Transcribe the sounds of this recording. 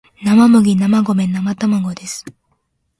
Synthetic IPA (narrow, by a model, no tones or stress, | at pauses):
namamɯ̟ɡʲinamaɡo̞mẽ̞nːamat̪amaɡo̞d̪e̞sɨ̥